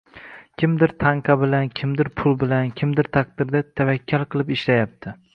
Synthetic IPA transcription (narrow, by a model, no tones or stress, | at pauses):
kʲʰɪmd̪ɪɾt̪ʰaɴqʰɑbɪlankʲʰɪmd̪ɪɾpʰʊlˠbɪlankʲʰɪmd̪ɪɾt̪ʰaq̚d̪ɪɾd̪at̪ʰavakʲʰːalˠqɨlˠɪpɪʃlajap̚t̪ʰɪ